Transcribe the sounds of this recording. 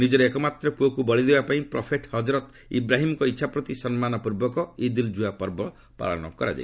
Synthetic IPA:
nid͡ʒɔɾeekɔmat̪ɾɔpuokubɔɭid̪ebapaĩpɾɔpʰeʈhɔd͡ʒɾɔt̪ | ḭbɾaɦimɔkɔitːʃʰapɾɔt̪isɔnmanɔpuɾbɔkɔid̪ild͡ʒuapɔɾbɔ | pa̰ɭɔnɔ̰kɔɾa̰d͡ʒa̰j

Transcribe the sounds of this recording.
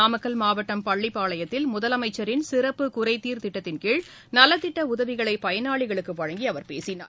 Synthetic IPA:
aːmɐkːɐlmaːʋɐʈːɐmpɐɭːɪpːaːɭɐjɐt̪ːɪlmʊðɐlɐmɐɪt͡ʃːɐɾɪnsɪrɐpːɯkʊrɐɪt̪ːiːɾt̪ɪʈːɐt̪ːɪnkeːɻ | nɐlːɐt̪ːɪʈːɐʊðɐʋɪɣɐɭɐɪpɐjɐnaːɭɪɣɐɭɯkːɯʋɐɻɐŋɡiɐʋɐɾpeːsɪna̰ːɾ

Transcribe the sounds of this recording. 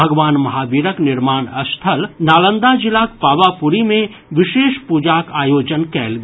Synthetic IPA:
ɐɡʋaːnmɐɦaːbiːɾəknɪɾmaːnɐst̪ʰəlnaːlə̃nd̪ad͡ʒɪlak̚paːʋapuɾimẽ | ʋɪʃeːʃpud͡ʒaːkaːjoːd͡ʒənkɛːlɡ

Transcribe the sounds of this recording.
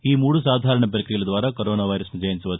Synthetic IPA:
iːmuːɽusaːd̪ʱaːɾɐɳɐpɾɐkɾijɐlɐd̪ʋaːɾakoɾoːnaːʋɐjɾɐsnid͡ʒɐjɐnsuʋɐ

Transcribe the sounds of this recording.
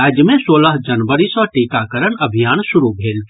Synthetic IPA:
aːd͡ʒjəmẽsoːləɦd͡ʒɐnʋəɾisɔʈeːkakəɾənɐbʱijaːnsʊɾubʱeːl

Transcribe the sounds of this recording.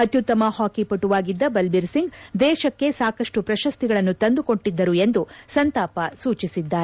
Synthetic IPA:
ɐt̪jut̪ːɐmɐhaːkipɐʈːuʋaːɡid̪ːɐbɐlbiɾsiŋɡd̪ɛːʃɐkːe̞saːkɐʂʈupɾɐʃɐst̪iɡɐɭɐnːut̪ɐnd̪uko̞ɳʈːid̪ːɐɾue̞nd̪usɐnt̪aːpɐsuːt͡ʃisid̪ːaːɾe

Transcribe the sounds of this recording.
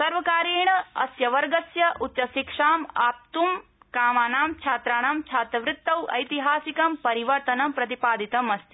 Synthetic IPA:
sɐɾʋɐkaːɾeːɳɐɐ̰sjɐʋɐɾɡɐsjɐʔutt͡ʃɐʃikʂaːmaːp̚t̪umkaːmaːnaːmt͡ʃʰaːt̪ɾaːɳɐmt͡ʃʰaːt̪ɾɐʋɾɪt̪ːɐwɐ̰jt̪iɦaːsikɐmpɐɾiʋɐɾt̪ɐnɐmpɾɐt̪ipaːd̪it̪ɐmɐst̪ʰi

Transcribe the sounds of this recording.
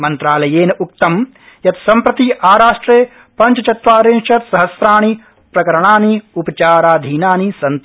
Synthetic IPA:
mɐnt̪ɾaːlɐjeːnɐʔuk̚t̪ɐm | jɐt̪sɐmpɾɐt̪iʔaːɾaːʂʈɾeː | pɐɲt͡ʃɐt͡ʃɐt̪ʋaːɾẽːnʃɐt̪sɐɦɐsɾaːɳ̃i | pɾɐkɐɾɐɳaːniupɐt͡ʃaːɾaːd̪ʱiːnaːnisɐnt̪

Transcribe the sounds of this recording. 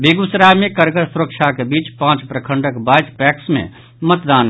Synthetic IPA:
beɡʊsɾaːmẽkəɾɡəɾsʊɾəkʃakebiːt͡ʃpãːt͡ʃpɾəkʰə̃ɳɖəkbaːjt̪pɛːksmḛ̃ | mət̪d̪aːn

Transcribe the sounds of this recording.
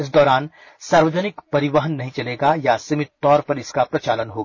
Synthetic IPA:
ɪs̬d̪ɔːɾaːn | saːɾʋəd͡ʒənɪkpɐɾɪʋəɦənːɐɦĩt͡ʃɐleːɡajasimɪt̪ːɔːɾpɐɾɪskapɾɐt͡ʃaːlənɦoːɡaː

